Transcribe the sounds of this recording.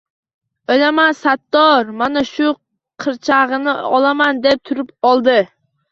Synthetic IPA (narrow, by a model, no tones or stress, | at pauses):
ojlamansat̪ːɒɾmanaʃʊ | qʰɨɾt͡ʃʰaʁɨnɪɒlˠamand̪ep̚t̪ʰʊɾɪpɒlˠd̪ɪ